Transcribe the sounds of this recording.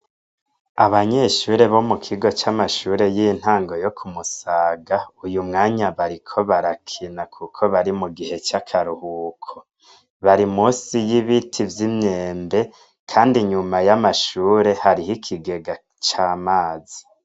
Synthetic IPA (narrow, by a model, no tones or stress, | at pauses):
aβaɲe̞ːʃuːɾe̞βo̞mukʰiɡo̞t͡ʃamaʃuːɾe̞jin̥haːŋɡo̞jo̞kʰumusaːɡaujumŋaːɲaβaɾikʰo̞βaɾakʰinakʰukʰo̞βaɾimuɡihe̞t͡ʃakʰaɾuhuːkʰo | βaɾimuːsijiβitʰivjimɲeːmbe̞ | kʰaːndiɲumajamaʃuːɾe̞haɾiɦikʰiɡe̞ɡa | t͡ʃaːmaːzi